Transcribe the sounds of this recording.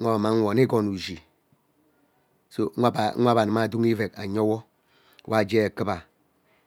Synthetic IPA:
a˦ba˨ma˨˦ŋʷ˨o˨ni˦ɡo˨nu˨d͡ʒi˨ | so˨a˦bʷa˦ba˨n˨ma˦˨du˦ŋi˦ve˨ka˨ɲo˦wo˦ | wʔa˦˨d͡ʒe˦e˨kɨ˦ba˨

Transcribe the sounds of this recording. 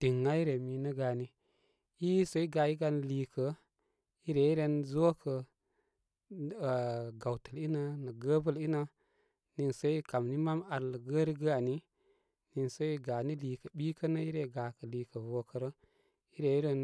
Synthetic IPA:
ti˨ŋːa˦i˦ɾe˨mi˨nə˦ɡa˨ni˦ | ji˦sə˦i˦ɡa˨i˦ɡa˧n˨liː˨kə˨ | i˦ɾe˨i˦ɾe˧nzo˦kʰə˨ | ɡa˨wtə˨li˦nə˦nə˨ɡə˦bə˦li˦nə˦ | ni˨nsə˦i˦ka˨mni˦ma˦ma˨lɡə˦ɾi˦ɡa˨ni˦ | ni˨nsə˦i˦ɡa˨ni˦li˨kə˨ɓi˦kə˦nə˦i˦ɾe˨ɡa˨kə˨li˨kə˨vo˨kə˨ɾə˦ | i˦ɾe˨i˦ɾe˦n

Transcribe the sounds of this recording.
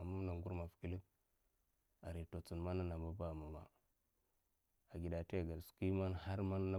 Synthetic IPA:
a˨ma˦m˦na˨ŋɡu˦ɾma˨fi̥˨ki˦li˦b | a˨ɾi˨to˨t͡su˨nma˦na˦na˨ba˦ba˦˨ma˨ma̰˨ | a˨ɡi˨da˨te˦˨ɡa˨lsu̥˨ki˦ma˦nha˦ɾma˦n˦na˦

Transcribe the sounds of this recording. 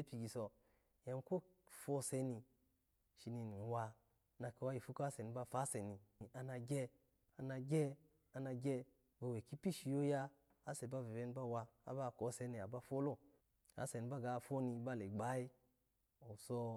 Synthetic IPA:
e˦pi˨ɡi˨so˨ | ja˨mko˦ | fo˦se˦ni˨ | ʃi˨ni˨ni˨wa˧ | na˨ke˨wa˦ji˨fu˦ko˦a˦se˨ni˨ba˦fa˦se˨ni˨a˨na˨ɡʲe˦ | a˨na˨ɡʲe˦ | a˨na˨ɡʲe˦ | ba˨we˨ki˦pi˦ʃi˦jo˦ja˦ | a˦se˨ba˦ve˨ve˦n˦ba˦wa˧a̰˦ba˦˨ko˨˦se˨˦ni˨a˨ba˦fo˦lo˦˨ | a̰˨se˨ni˨˦ba˦ɡa˨fo˦ni˧ba˦˨le˨ɡ͡ba˨˦i˦ | o˨so˧

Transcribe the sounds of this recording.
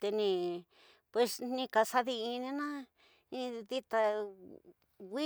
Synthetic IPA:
t̪e˧nĩ˧ | pwe˧snĩ˧ka˧sa˧ði˧ĩ˧nĩ˧nã˦ | ĩ˧ði˦t̪a˧ | wi˦

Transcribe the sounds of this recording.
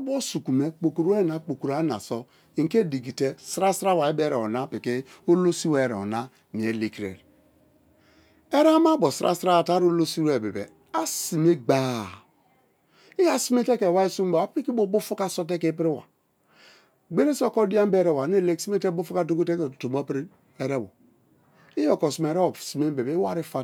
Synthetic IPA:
bo˦su˨ku˨me˦k͡po˨ku˨ɾe˦˨na˨k͡po˨ku˨ɾa˨˦na̰˨sɔ˦ | i˨ŋ̩˨ke˦˨di˨ɡi˨te˦sɾa˦sɾa˦wa˨e˦be˦ɾe˨ɔ̰˨na˦pi˨ke˦o˦lo˦si˦we˦˨ɾḛ˨ɔ̰˨na˦ | mi˨e˨le˨ki˨ɾḛ˨ɾe˨ | e˦ɾa˦ma˦bo˨sɾʔa̰˦sɾa˦a˨ta˦ɾo˦lo˦si˦ɾe˨bḛ˨bḛ˨ | a˦si˨me˦ɡ͡ba˦ | i˦ja˦si˦me˦te˦ke˨wa˦i˦su˦mba˨a˦pi˦ki˦bo˦bo˦fu˦ka˦so˦t̬e˦ke˦pɾi˦wa̰˨ | ɡ͡be˦ɾe˦so˦kɔ˦di˦a˦m˦be˦ɾe˦˨wa˨ne˦˨le˦ksi˦me˦te˦bo˦fu˦ka˦to˦ko˦te˦ke˨to˨m˦pɾi˦ | e˨ɾe˦bo̰˨ | i˦jo˨kɔ˨si˨m˨e˨ɾe˦o˨si˨me˦m˦be˨be˨˦i˦wa˦ɾi˦fa˦

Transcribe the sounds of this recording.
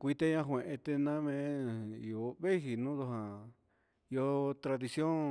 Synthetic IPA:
kʷi˧t̪e˧ɲã˧ɦwẽ˨ʔẽ˧t̪e˧nã˦mẽ˧˦i˧o˧˨βe˦hi˨nũː˦ðo˧ɦã˨ | i˧o˧t̪ɾa˧ði˧sjõ˦

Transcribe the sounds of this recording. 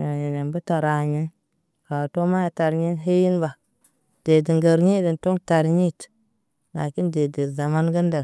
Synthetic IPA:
a˨je˨ne˨mbə˦ta˨ɾa˨ɲi˦n | ka˨to˦ma˦ja˨ta˨ɾɲi˦nɦe˦ji˦nba˨ | d̥e˨di˨ŋɡə˨ɾɲi˦də˨nto˦ŋta˨ɾɲi˦t | na˨ki˦nde˨di˨ɾza˨ma˦nɡə˦ndə˨ɾ

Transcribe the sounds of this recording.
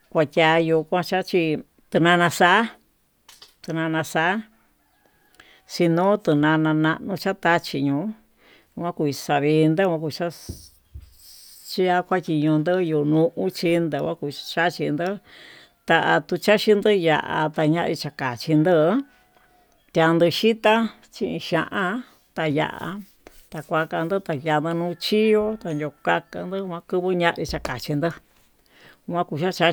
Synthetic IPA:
kʷa˧tʲa˧ju˧kʷã˧t͡ʃa˦t͡ʃi˧ | t̪ɨ˧nã˧nã˧sa˦ | t̪ɨ˧nã˧nã˧sa˧˦ | si˧nõ˦t̪ɨ˧nã˧nã˧nã˧ʔnũ˧t͡ʃa˦t̪a˦t͡ʃi˧ɲũː˧˦˧ | kʷã˦ku˧i˧sa˧βi˧nd̪ɨ˦kʷã˧ku˧t͡ʃa˦ | t͡ʃi˦a˦kʷa˦t̪ʲi˧ɲũ˧nd̪ɨ˦ju˧nũ˧ʔũ˦t͡ʃi˧˦nd̪ɨ˧kʷã˦ku˧t͡ʃa˦t͡ʃi˧nd̪ɨ˦ | t̪a˧a˧t̪u˧t͡ʃa˦ʃi˧nd̪ɨ˦ja̰˨ʔa̰˧t̪a˧ɲã˦ʔi˧t͡ʃa˧ka˨t͡ʃi˧nd̪ɨ˧˦ | t̪ja˧nd̪ɨ˧ʃi˦t̪a˦ | t͡ʃĩ˦˧ĩ˧ʃã˧ʔã˧ | t̪a˧ja̰˧˨ʔa̰˧ | t̪a˧kʷa˧ka˧nd̪ɨ˦t̪a˧ja˧nd̪ɨ˧nũː˧t͡ʃi˦jo˦t̪a˧no˧ka˦˧ka˧nd̪ɨ˦˧ã˧kɨ˦˧βɨ˦ɲã˦˧ʔi˧t͡ʃa˧ka˨t͡ʃi˧nd̪ɨ˦˧ | kʷã˦ku˧˨ʃa˦t͡ʃa˦

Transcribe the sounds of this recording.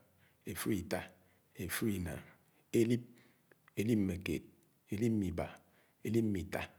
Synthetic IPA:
e˨fu˦i˨ta˦ | e˨fu˦i˨na̰˨ | e˦li˦p̚ | e˦li˦p̚m̩˦me˨kḛ˨t̚ | e˦li˦p̚m̩˦i˨ba̰˨ | e˦li˦p̚m̩˦mi˨ta˦

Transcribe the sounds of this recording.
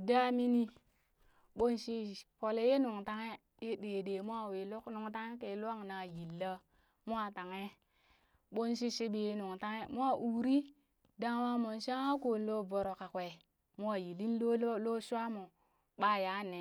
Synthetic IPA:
da˦mi˦ni˦ | ɓo˦nʃi˦po˨le˦je˦nu˨ŋta˦ŋe˦ | je˦de˨de˨mu˦a˦˨we˨lo˦knu˨ŋta˦ŋe˦ke˨˦lu˦a˦ŋna˨ji˨lːa˦ | mu˦a˦ta˨ŋe˦ | ɓo˦nʃ̬i˦ʃi˦ɓi˨je˦nu˨ŋta˦ŋe˦mu˦a˦ʔu˨ɾi˦ | da˦ŋ˦wa˦mo˨nʃa˦ŋa˦ko˨n˦lo˦bo˨ɾo˨ka˨kʷe˨ | mu˦a˨ji˨li˦nlo˦o˦lo˦ʃʷa˦mo˨ | ɓa˦ja˨˦ne˨

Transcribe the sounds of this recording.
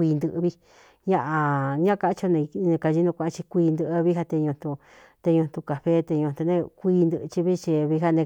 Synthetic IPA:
iː˧nd̪ɨ˧ʔβi˧ | ɲã˧ʔã˧ɲã˦˧ka˧˦t͡ʃo˧nẽ˧nẽ˧ka˧ʒi˧˦nũ˧kʷã˧ʔã˧t͡ʃi˧kʷiː˧nd̪ɨ˧ʔβi˦ɦa˧t̪e˧ɲũ˧nt̪ũ˧ | t̪e˧ɲũ˧n̥t̪u˧ka˨ɸe˦t̪e˧ɲũ˧t̪u˧nẽ˧kʷiː˧nd̪ɨ˧t͡ʃi˧βi˦˧t͡ʃi˧βi˧ɦa˦˧nẽ˧

